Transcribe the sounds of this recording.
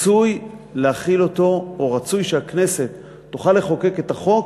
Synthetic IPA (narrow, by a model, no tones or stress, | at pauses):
t͡sujleaχilo̞to̞oʁat͡sujʃeakne̞se̞t̪ː | uχale̞χo̞ke̞ke̞taχo̞k